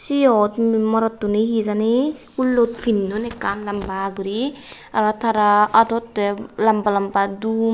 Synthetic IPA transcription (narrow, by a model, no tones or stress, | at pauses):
sijɔt̪mɔɾɔt̪ːuniɦizanikulːot̪̚pʰinːonekanlambaɡuɾi | aɾat̪ʰaɾaʔat̪ɔt̪ːelampalampad̪u